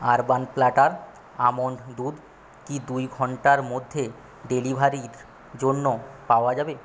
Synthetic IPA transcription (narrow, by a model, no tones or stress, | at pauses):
aɾbanplaʈaɾ | amoɳɖd̪uɾ | kid̪ujɡʱɔɳʈaɾmod̪ʱːe | ɖelibʱaɾiɾ | d͡ʑonːopaoad͡ʑabe